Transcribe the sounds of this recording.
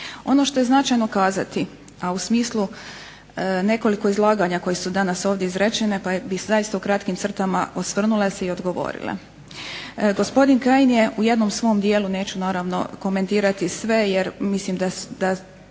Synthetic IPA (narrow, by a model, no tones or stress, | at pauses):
o̞no̞ʃt̪o̞je̞znat͡ʃajno̞kaːzat̪i | ausmiːslˠu | ne̞ko̞liko̞izlˠaːɡaɲako̞jesud̪anaso̞ːʋd̪jeizɾet͡ʃene̞pabisuzajist̪aukɾat̪kimt̪sr̩t̪ama̰ʔosʋr̩nuleseio̞d̪ɡo̞ʋo̰ɾḭlḛ | ɡo̞spo̞d̪inkajnje̞ʔuje̞d̪no̞msʋo̞md̪je̞ːlune̞ːt͡ɕunaːɾaʋno̞̰ko̞me̞nt̪iːɾat̪isʋe̞jeɾmislimd̪ad̪a